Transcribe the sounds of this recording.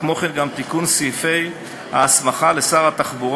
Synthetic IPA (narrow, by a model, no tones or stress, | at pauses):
mo̞χenɡamt̪ikunsife̞j | ha̰smaχalesaʁat̪aχbuʁ